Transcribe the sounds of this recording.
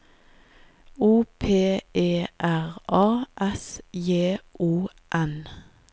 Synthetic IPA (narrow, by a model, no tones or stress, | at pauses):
uːpʰeːʔeːʔæʁʔɑːʔɛsjeːʔuː | ʔɛn